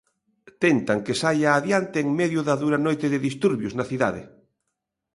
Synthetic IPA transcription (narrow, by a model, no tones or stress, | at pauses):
t̪ent̪aŋkesajaːðjant̪eːŋmeðjʊðaðuɾanojt̪eðɪðist̪uɾβjʊznaθiða̰ðɪ̰